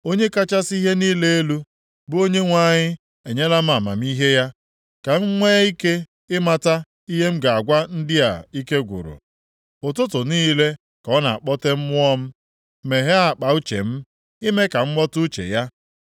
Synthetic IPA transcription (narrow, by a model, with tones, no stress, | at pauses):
o˦ɲe˦ka˦t͡ʃa˦si˦ɦe˦niː˦le˦e˦lu˦ | bʊ˦o˦ɲe˦ŋʷa˦ɲɪ˦ | e˨ɲe˦la˦m̩˦a˨ma̰˨m̩˦i˦ɦe˦ja˦ | ka˨m̩˦ŋʷeː˦i˦ke˦ | ɪ˦ma˦ta˦ | i˦ɦe˦m̩˦ɡa˨a˨ɡʷa˦n̩˦dɪ˦a̰˨i˦ke˦ɡʷʊ̰˨ɾʊ̰˨ | ʊ˨t̬ʊ˦tʊ˨niː˦le˦ | kɔ˦na̰˨a˨k͡pɔ˦te˦m̩˦mʊ˦ɔ˦m̩˦ | me˨ɦe˦a˨k͡pa˨u˦t͡ʃḛ˨m̩˦ | i˦me˦ka˨ŋ͡m̩˦ɡ͡bɔ˦tʊ˦t͡ʃḛ˨ja˦